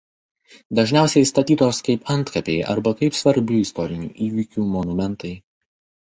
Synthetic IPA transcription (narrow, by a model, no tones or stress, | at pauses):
d̪ɐʒʲnʲæˑʊsʲɛɪst̪ɐt̪ʲiːt̪oːskɐɪpɐnt̪kɐpʲeɪʔɐ̰ɾbɐkɐɪpsʋɐɾʲbʲɪɪst̪ɔɾʲɪnʲṵːʔiːʋʲikʲuːmɔnʊmʲɛnt̪ɐɪ